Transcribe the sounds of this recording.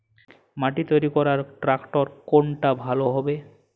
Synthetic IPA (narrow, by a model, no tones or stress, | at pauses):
maʈit̪ojɾikɔɾaɾʈɾakʈoɾkoɳʈabʱaloɦɔbe